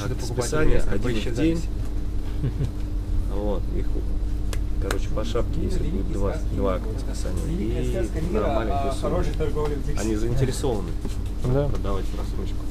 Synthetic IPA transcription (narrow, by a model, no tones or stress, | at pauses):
t̪spʲɪsanʲɪjəʔɐdʲinvdʲenʲ | vo̞t̪ḭx | kɐɾʔo̞t͡ɕɪ̥pɐʂapkʲɪjesʲlʲɪbudʲɪt̪d̪vad̪vak̪əspʲɪ̥sa̰nʲɪ̰jəinɐmalʲɪost̪oɡɾʲiɐ̰nʲizəɪnʲtʲɪɾʲɪso̞vənɨ | d̪pɾəd̪ɐvatʲɾɐst̪ɾot͡ɕɪ̥kʊ